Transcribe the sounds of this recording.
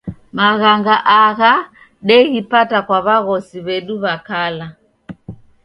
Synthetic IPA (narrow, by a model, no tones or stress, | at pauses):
maɣaŋɡaʔaɣa | ɗɛɣipatakwaβaɣɔsiβɛɗuβakala